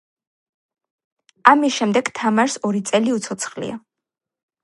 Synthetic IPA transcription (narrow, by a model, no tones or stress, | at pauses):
amisʃɛmd̪ɛɡt̪ʰamaɾsɔɾit̪sʼɛliut̪sʰɔt̪sʰχlḭa̰